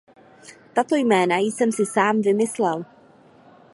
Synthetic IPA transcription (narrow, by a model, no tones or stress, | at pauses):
t̪at̪o̞jmɛːnajɪsɛmsɪsaːmvɪmɪslɛl